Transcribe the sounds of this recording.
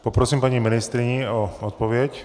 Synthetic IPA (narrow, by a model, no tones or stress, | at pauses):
pɔpɾɔsiːmpaːɲiminist̪ɾiɲiɔɔt̪̚pɔʋɪɛc